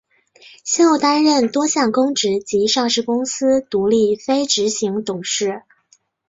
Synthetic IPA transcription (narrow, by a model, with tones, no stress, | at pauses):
ɕɛ˥o˨˩t̪a˥nɻə˥˩nt̪wɔ˥ɕjɑ˥˩ŋkʊ˥ŋʈ͡ʂɻ̩˧˥t͡ɕi˧˥ʂɑ˥˧ŋʂɻ̩˥˩kʊ˥ŋsɹ̩˥t̪u˧˥li˥˩fe˥ɪʈ͡ʂɻ̩˧˥ɕi˧˥ŋt̪ʊ˨˩ŋʂɻ̩˥˩